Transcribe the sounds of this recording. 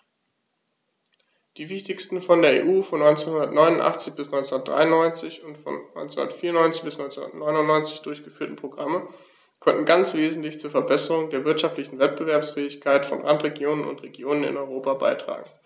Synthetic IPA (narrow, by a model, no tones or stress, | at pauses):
d̥iːvɪçtɪçstn̩fɔndeːɐḛːʔuːfɔnːɔʏnt͡senhʊndɐtnɔʏnʊntʔa̰χt͡sɪçb̥ɪsnɔʏnt͡sundɐtd̥ʁa̰ɪʊnːɔʏnt͡sɪçʊntfɔ̰nɔ̰ʏnt͡senʊ̰ndɐ̰tfiːɐnɔʏnt͡sɪ̥çb̥ɪsnɔʏnt͡sṵʊ̰nɐ̰tnɔʏnʊnnːɔʏnt͡sɪçd̥ʊɐçɡ̥əfyːɐtn̩pʁ̥oɡʁamə | kʰɔntn̩ɡant͡sv̥eːzn̩tlɪçt͡suːɐfɛɐbɛsəʁʊŋdeːɐvɪɐtʃaftlɪçn̩vɛt̚b̥əvɛɐpsfɛːɪçkʰaɪtfɔ̰nʁantʁ̥eɡjoːnənʊ̰ntʁeɡjoːnənɪ̰nɔʏʁoːpaba̰ɪtʁ̥a̰ːɡŋ̩